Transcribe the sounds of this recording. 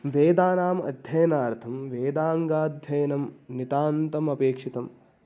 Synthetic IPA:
ʋeːd̪aːnaːmɐ̰d̪ʱjɐjɐnaːɾt̪ʰɐmʋeːd̪aːŋɡaːd̪ʱjɐjɐnɐmnit̪aːnt̪ɐmɐpeːkʂit̪ɐm

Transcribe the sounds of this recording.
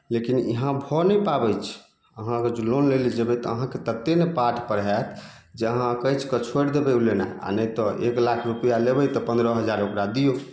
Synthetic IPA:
lekinḭɦãbʱɔnəjpabət͡ʃʰ | əɦãked͡ʒlonlelid͡ʒəbɛt̪ɔəɦãket̪ət̪ːenepaʈʰpəɾɦɛt̪ʰ | d͡ʒeəɦãkəjt͡ʃʰkət͡ʃʰoɽd̪ebɛulenaa̰nəjt̪ɔʔḛklakʰɾupəjalebəjt̪ɔpə̃nd̪ɾəɦəd͡ʒaɾokɾad̪ijo

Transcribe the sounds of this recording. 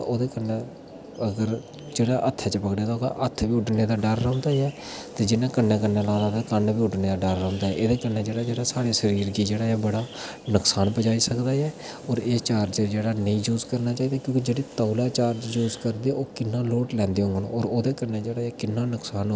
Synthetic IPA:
oːd̪eːkənẽː | əɡəɾ | d͡ʒeːɽaːʔət̪ʰːɛːt͡ʃəpəkɽeaːt̪aoːd̪a̰ʔət̪ʰʋiːʊɖneːd̪aːɖəɾːə̃ːnd̪aːɛː | t̪eːd͡ʒɪnãːkənːẽːkənːeːlãːd̪aːt̪akənbiːʊɖneːd̪aːɖəɾːə̃ːnd̪aːɛʔed̪eːkənẽːd͡ʒeːɽaːd͡ʒeːɽaːsaːɽeːsəɾiːɾɡiːd͡ʒeːɽaːɛːbəɽaː | nʊksaːnpəd͡ʒaːiːsəkd̪aːjɛː | ɔːɾeːt͡ʃaːɾd͡ʒəd͡ʒeːɽaːnəĩːd͡ʒuːzkəɾnaːt͡ʃaːiːd̪aːkjõːkiːd͡ʒeːɽeːt̪əːlaːt͡ʃaːɾt͡ʃd͡ʒuːzkəɾd̪eoːkɪnːãːloːʈlɛ̃ːnd̪eːɦõŋɡən̰ːɔːɾoːd̪eːkənẽːd͡ʒeːɽaːɛːkɪnːãːnʊksaːn

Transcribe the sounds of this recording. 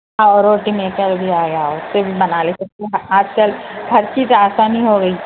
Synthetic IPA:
ɦaɔːɾoːʈimeːkəɾbʱiaːɡejaʊsːebʱibɐnaːletek̚t̪eɦaːd͡ʒkɐlɡʱɐɾkit̪aːsaːniɦoːɡɐiː

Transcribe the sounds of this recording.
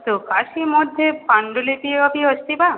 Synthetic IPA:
t̪okaʃimod̪ʱːepʰaɳɖolepieɔbiɔʃt̪iba

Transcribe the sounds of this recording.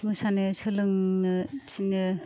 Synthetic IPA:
mɯsanɯsʰɯlɯŋnɯsʰinɯ

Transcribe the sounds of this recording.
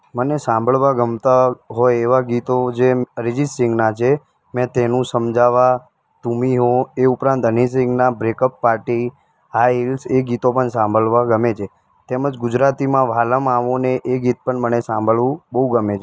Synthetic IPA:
mənesãmbʱəɭʋaɡəmt̪aɦɔjeʋaɡit̪od͡ʒeɾɪd͡ʒisʈɾɪ̃ŋɡnat͡ʃʰe | mɛ̃t̪enũsəmd͡ʒaʋa | t̪umiɦõeupɾãnt̪ənis̬ɪ̃ŋɡnabɾekəpːaɾʈi | ɦaɦilseɡit̪opəɳsãmbʱəɭʋaɡəmet͡ʃʰe | t̪eməd͡ʒɡʊd͡ʒɾat̪imãʋaləmaʋoneʔeɡit̪̚pəɳmənesãmbʱəɭʋũbəɦuɡəmet͡ʃʰe

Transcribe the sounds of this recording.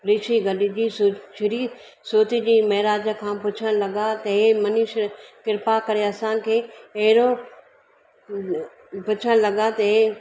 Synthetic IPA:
ɾiːʃiɡɐɗid͡ʑiːst͡ʃʰɪɾiː | soːt̪id͡ʑiːmɐɦɾaːd͡ʑə̆kʰãːpʊt͡ɕʰəɽ̃lɐɡat̪ɐɦemɐniʃɾkɪɾpakɐɾeɐsãkʰeːɐɦɪɾo | pʊt͡ɕʰəɽ̃lɐɡat̪ɐɦe

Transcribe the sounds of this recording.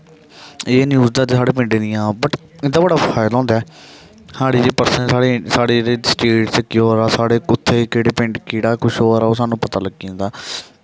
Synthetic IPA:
eːnjuːzd̪aːd͡ʒsaːɽeːp̬ɪ̃ɳɖeːnɪjãːbəʈ | ɪd̪aːbəɽaːfʰaːɪlɦɔ̃ːnd̪aː | haːɽiːd͡ʒeːpəɾsə̃saːɽeːsaːɽeːɾeːsʈeːɾʈt͡ʃekɪɦoːɾaːsaːɽeːkʊt̪ʰːeːkeːɽeːpɪ̃ɳɖkiːɽaːkʊʃɦoːɾaːoːsaːnũːpət̪aːləɡĩːd̪aː

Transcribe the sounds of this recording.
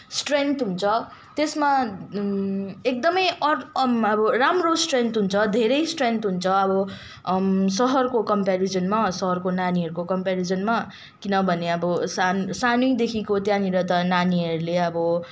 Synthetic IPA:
sʈrent̪ɦunt͡sʰʌ | t̪esma | ek̚d̪ʌmʌjʌrʌbʌramrosʈrent̪ɦunt͡sʰʌd̪ʱeɾʌjsʈrent̪ɦunt͡sʰʌʌbʌ | sʌɦʌrkokʌmpaɾid͡zʌnmasʌɦʌrkonaniɦʌɾukokʌmpaɾid͡zʌnma | kinʌbʱʌneʌbʌsansanujd̪ekʰikot̪jãniɾʌt̪ʌnaniɦʌɾuleʌbʌ

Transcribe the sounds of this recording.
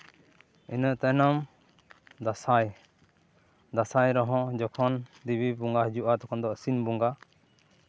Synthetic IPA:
inəʔt̪ɛnɔm | d̪asaj | d̪asajɾɔɦɔ̃d͡ʒɔkʰɔnd̪ibibuŋɡahd͡ʒuʔat̪ɔkʰɔnd̪ɔʔsinbuŋɡa

